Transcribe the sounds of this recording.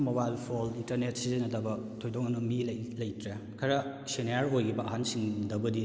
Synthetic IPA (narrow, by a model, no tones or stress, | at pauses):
mobajlpʰolintɐɾnet̚sizinɐdɐbɐtʰojdok̚ŋanɐmillɐjtɾekʰɐɾɐsenjaɾojɡibɐːɦansiŋdɐbɐdi